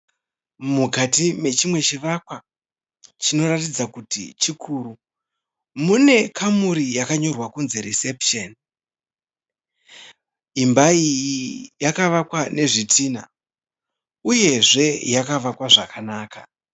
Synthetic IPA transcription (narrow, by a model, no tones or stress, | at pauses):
mukatime̞t͡ʃimwe̞t͡ʃiʋakwa | t͡ʃino̞ɾatid͡zakutḭt͡ʃikʰuːɾu | mune̞kʰamuɾijakaɲo̞rwakunze̞ɾisepʃen | imbaijijakaʋakwane̞ʐitʰiːna̰ | uje̞ʐe̞jakaʋakwaʐakanaːka